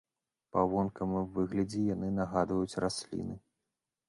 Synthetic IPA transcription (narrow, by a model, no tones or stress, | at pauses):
pavɔnkɐmɨwvɨɣlʲɐd͡zʲɛjanɨnaɣad̪vɐjut͡sʲrasʲlʲḭnɨ